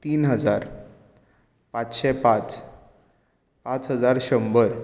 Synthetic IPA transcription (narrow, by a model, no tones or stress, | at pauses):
t̪iːnɦəd͡zaɾ | pat͡sɕɛpat͡s | pat͡sɦəd͡zaɾɕəmbəɾ